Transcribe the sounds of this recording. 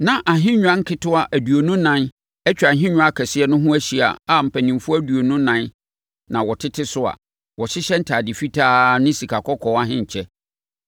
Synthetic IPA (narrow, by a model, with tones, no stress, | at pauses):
nã˨ʔa˨ɦɪ̃˦ɲ̃ᶣ˦ã˦ŋ̩˦kʰɪ˦tʰʊ˦a˨ʔæ˨du˨o˨nʊ̃˦nã˦n | ɛ˦t͡ɕᶣã˨ɦɪ̃˦ɲᶣʊ̃˦a˦kʰɛ˨sɪ˦ɛ˦nʊ̃˦ɦʊ̃˦æ˦ɕi˨a̰˨a˨m̩˨pʰæ˨nĩ˨mfʊ˦æ˦du˨o˨nʊ̃˦nã˨˦n | nã˨wɔ˨tʰɪ˦tʰɪ˦sʊ˦a̰˨ | wɔ˨ɕɪ˦ɕɛ˦n̩˦tʰaː˨dɪ˨fi˦tʰaː˦nɪ̃˦si˨kʰa˨kʰɔ˦kʰɔ˨wa˦ɦɪ̃˦ɲ̩˨t͡ɕʰɛ˦